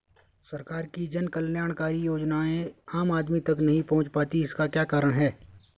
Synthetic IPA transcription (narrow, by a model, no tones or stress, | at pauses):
sɐɾkaːɾkid͡ʒɐnkɐlnjaːɽ̃kaːɾijoːd͡ʒnaẽaːmaːd̪mit̪ɐknɐɦĩpɐɦʊ̃t͡ʃpaːt̪iɪskakjaːkaːɾəɽ̃ɦɛː